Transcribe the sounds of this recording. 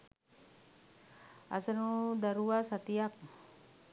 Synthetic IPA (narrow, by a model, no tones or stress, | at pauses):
a̰sənud̪aɾuasat̪iak̚